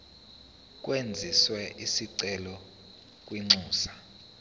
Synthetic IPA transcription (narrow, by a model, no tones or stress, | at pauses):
k̬ʼwend͡zʱiswɛʔisiǀɛlɔ | k̬ʼwiŋ͡ǀuːsḁ